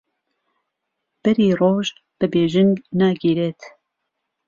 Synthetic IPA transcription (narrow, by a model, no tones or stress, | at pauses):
b̥ɛɾiːroːʒ | b̥ɨbeːʒɨnnaːɡiːɾeːt̪